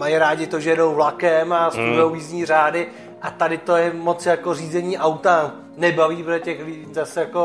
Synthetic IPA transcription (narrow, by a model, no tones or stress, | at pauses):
majiɾaːɟɪt̪oʒɛjɛdowvlakɛmast̪udʊjowiːzɲiːr̝aːdɪ | ʔat̪adɪt̪ojɛmo̞t͡sjakor̝iːzɛɲiːʔawt̪a | nɛbaviːpɛdɛcɛxlɪizasɛjako